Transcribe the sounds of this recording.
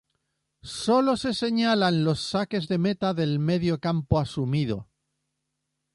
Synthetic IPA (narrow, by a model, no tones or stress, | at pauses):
so̞lo̞se̞se̞ɲalanlo̞sːake̞zðe̞me̞t̪aðe̞lme̞ðjo̞kampoasumið̞o̞̰